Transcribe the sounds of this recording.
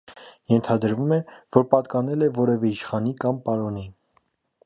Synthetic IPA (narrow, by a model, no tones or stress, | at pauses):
jɛnt̪ʰɑd̪əɾvumɛvɔɾpɑt̪kɑnɛlɛvɔɾɛvɛiʃχɑnikɑmpɑɾɔni